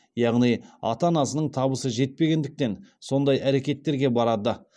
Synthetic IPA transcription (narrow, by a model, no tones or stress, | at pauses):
jɑʁnijɑ̰t̪ɑnɑsənəɴt̪ʰɑbəsəʒe̞t̪̚pe̞ɡʲe̞nd̪ɪk̚t̪e̞nso̞nd̪ɑjʔæɾe̞kʲe̞t̪ːe̞ɾɡʲe̞bɑɾɑd̪ə